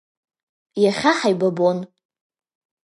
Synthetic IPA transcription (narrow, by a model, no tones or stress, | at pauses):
jaχʲaħajbabon